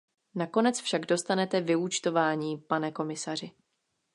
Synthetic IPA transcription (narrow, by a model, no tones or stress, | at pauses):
nako̞nɛt͡sfʃaɡdo̞st̪anɛt̪ɛvɪut͡ʃt̪o̞vaːɲiːpanɛko̞mɪsar̝ɪ